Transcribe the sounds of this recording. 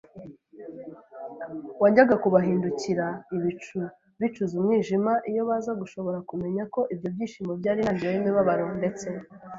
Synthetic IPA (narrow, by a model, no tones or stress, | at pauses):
waːɲɟaɡakuβaɦiːnduciɾaiβit͡ʃu | βit͡ʃuzumŋiːʒimaʔijo̞βaːzaɡuʃo̞βo̞ɾakume̞ɲako̞ʔibjo̞bɟiːʃiːmobɟaːɾinaɲɟiɾeimiβaβaɾonde̞t͡se̞